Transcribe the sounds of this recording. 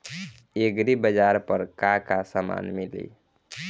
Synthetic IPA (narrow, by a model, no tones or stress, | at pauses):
eɡɾibəd͡ʒaɾpəɾkakasama̰nmilḭ